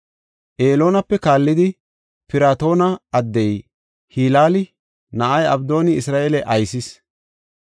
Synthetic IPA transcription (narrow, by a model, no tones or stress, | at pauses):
ʔe̞ːlo̞ːnɐpːɛkaːlːɪd̪ɪ | pɪɾaːt̪o̞ːnɐɐd̪ːɛj | hiːlaːlɪ | nɐʔɐjɐbd̪o̞ːnɪɪsɾaːʔeːlɛʔɐjsɪs